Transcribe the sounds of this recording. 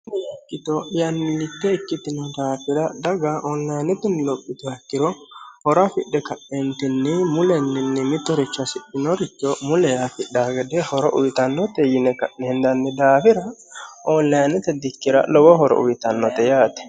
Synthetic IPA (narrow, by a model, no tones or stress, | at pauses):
nɛjɐkʼːɪt̪ɔjɐnːɪlːɪt̪ːɛɪkːɪt̪ɪnɔd̪aːfɪɾɐd̪ɐɡɐʔɔnlɐjnɛt̪ɪnɪlɔpʼːɪt̪ɔhɐkːɪɾɔhɔɾɐfɪɗːɛkɐʔːɛnt̪ɪnːɪmʊlɛnːɪnːɪmɪt̪ːɔɾɪt͡ʃːɐsɪᶑːɪnɔɾɪt͡ʃːɔmʊlɛjafɪᶑaːɡɛd̪ɛhɔɾɔʔʊjɪt̪ɐnːɔt̪ɛjɪnɛkɐʔːɛnd̪ɐnːɪd̪aːfɪɾɐʔɔnlɐjnɛt̪ɛd̪ɪkːɪɾɐ̰lɔwɔɦɔɾɔ̰ʊjɪt̪ɐnːɔt̪ɛjaːt̪ɛ̥